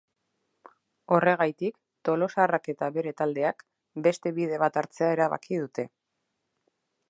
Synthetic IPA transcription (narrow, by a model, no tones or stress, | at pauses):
o̞re̞ɣ̞ajt̪ik | t̪o̞lo̞sarake̞t̪aβe̞ɾe̞t̪ald̪e̞ak | be̞st̪e̞βið̞e̞β̞at̪aɾt͡se̞aeɾaβa̰kið̞ut̪e̞